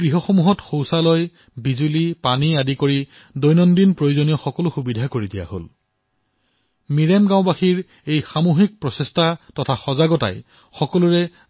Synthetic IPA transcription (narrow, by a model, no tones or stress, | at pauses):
ɡɹiɦɔxɔmuɦɔtxowsalɔj | bizulipaniadikoɹi | dojnɔndinpɹojozonijɔxɔkɔlʊxubidʱakoɹidija̰ho̰l | miɹɛmɡãʊ̃baxiɹ | ejxamoxik̚pɹɔsestatɔtʰaxɔzaɡɔta̰j | xɔkɔlʊɹɛ